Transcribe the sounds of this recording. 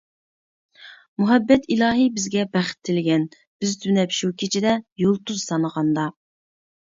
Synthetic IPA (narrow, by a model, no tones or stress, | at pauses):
muɦɛbːɛt̪ʰilɑːɦibɪzɡʲɛbæχɪ̥t̪ʰːɪlɡʲɛn | b̥ɪzd̪ynɛpʃukʲʰet͡ʃʰid̪ɛjolˠt̪uzsɑnəʁɑnd̪ɑ